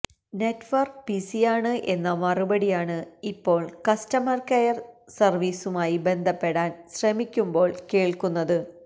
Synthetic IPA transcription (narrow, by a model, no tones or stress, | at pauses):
ne̞tːʋɐrk̚pisijaːɳɨʔe̞nːɐmɐrubɐɽijaːɳɨipːo̞ːɭkɐstɐmɐrkɐjɐrsɐrʋiːsumaːjibe̞nd̪ʱɐpːe̞ɽaːnɕrɐmikʲːumbo̞ːɭke̞ːɭkunːɐðɨ